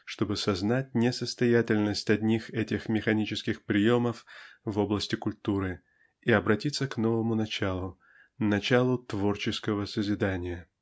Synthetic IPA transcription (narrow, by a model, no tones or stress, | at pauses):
ʂt̪o̞bɨsɐznat̚ʲnʲɪsəst̪ɐjætʲɪlʲnəsʲtʲɐdʲnʲixɛtʲɪxmʲɪxɐnʲit͡ɕɪskʲɪxpɾʲɪjo̞məfvo̞blˠəsʲtʲɪkʊlʲt̪uɾɨ | iɐbɾɐtʲit̪səkno̞vəmʊnɐt͡ɕalˠʊ | nɐt͡ɕalˠʊt̪vo̞rt͡ɕɪskəvəsəzʲɪd̪anʲɪjə